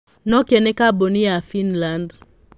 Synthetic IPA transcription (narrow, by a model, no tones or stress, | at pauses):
nɔkɛnɛkabonijafinland